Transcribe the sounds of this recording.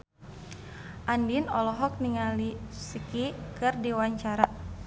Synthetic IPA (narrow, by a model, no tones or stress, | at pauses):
ʔandinɔlɔɦɔk̚niŋalisikikɨrdiwaɲt͡ʃaɾa